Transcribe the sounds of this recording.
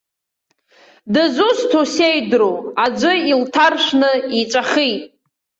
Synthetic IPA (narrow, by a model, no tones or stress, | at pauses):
dɨzustʰosejdroad͡ʒʷɨiltʰarʃʷnɨit͡ʃʷʼaχijtʼ